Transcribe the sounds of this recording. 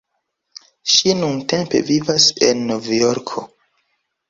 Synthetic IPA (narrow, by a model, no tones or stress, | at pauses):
ʃinunte̞mpe̞̰vivase̞̰nːovjoɾkʰo